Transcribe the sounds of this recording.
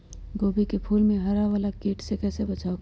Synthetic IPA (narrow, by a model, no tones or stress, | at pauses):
ɡoːbikepʰuːlmẽɦɐɾaʋaːlakiːʈsekɛːsebɐt͡ʃʰaːok